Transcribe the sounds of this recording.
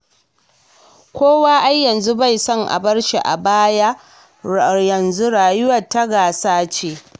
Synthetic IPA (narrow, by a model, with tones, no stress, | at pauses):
kʷoː˦waː˦ʔa˦jːɐ˨nzu˦ba˦˨jsɔ˦ŋʔa̰˨bɐ˦rʃi˨ʔa̰˨baː˦jaː˦ | jɐ˨nzu˦ɽaː˨jʊ˦wɐ˨tːa˦ɡaː˨saː˦t͡ʃeː˦